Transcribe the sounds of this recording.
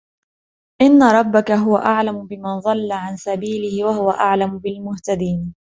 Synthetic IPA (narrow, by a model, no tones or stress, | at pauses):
ʔɪnːaɾˤɑbːakaɦʊwaʔaʕlamʊbɪmanðˤɑlːaʕansabiːlɪhɪwahʊwaʔaʕlamʊbɪlmʊht̪ad̪iːn